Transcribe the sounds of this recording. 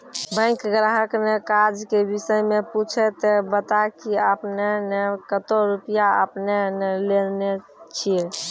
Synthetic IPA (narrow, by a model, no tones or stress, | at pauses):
bə̃ɪ̃kɡɾaɦəknekad͡ʒkebisəjmeput͡ʃʰɛt̪ebət̪akiəpnenekət̪oɾupijaə̰pnenelelne | t͡ʃʰie